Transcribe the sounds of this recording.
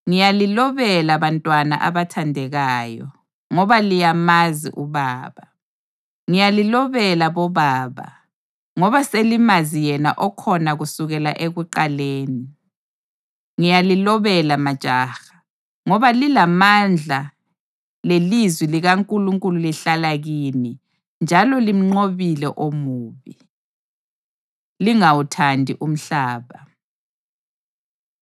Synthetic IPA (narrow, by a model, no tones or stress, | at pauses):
ŋijalilɔβɛlaβantʼwana̰ʔaβatʰandʱɛɣaːjɔ̰ | ŋɔβalijamazḭʔuβaːβa | ŋijalilɔβɛlaβɔβaːβa̰ | ŋɔβaselimazijɛna̰ʔɔkʰɔnaɣusuɣɛlaʔeɣuǃaleːni | ŋijalilɔβɛlamad̥ʒ̥ʱaːxḁ | ŋɔβalilamand͡ɮʱa | lelizwiliɣaŋkʼuluŋkʼululiɬalaɣini | nd͡ʒʱalɔlim̩ŋ͡ǀoβilɛʔomuːβi | liŋawutʰandʱiʔum̩ɬaːβa